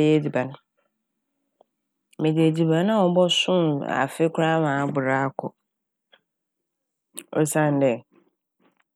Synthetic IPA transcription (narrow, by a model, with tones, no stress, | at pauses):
jɛ˦di˨ba˨nʊ̃˦ | mẽ˨de˨di˨ba˨nã˦ɔ˨bɔ˦sʊ̃˦ma̰˨fɪ˦kʰʊ˦ɾa˦mãː˨˦bʊ˨ɾa˦a˦kʰɔ̰˨ | o̰˦sã˦˨n˨dɛ˨